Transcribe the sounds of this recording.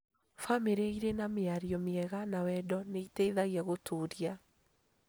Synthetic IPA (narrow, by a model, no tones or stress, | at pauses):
fameɾeiɾenameaɾiɔmeɛɣanawɛdɔneiteiðaɣiaɣotuːɾia